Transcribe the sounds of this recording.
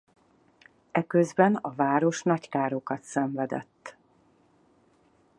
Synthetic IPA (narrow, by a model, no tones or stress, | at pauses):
ɛkøzbɛnɒvaːɾo̞ʃnɒckaːɾo̞kɒt̪sɛɱvɛd̪ɛ̰t̪ː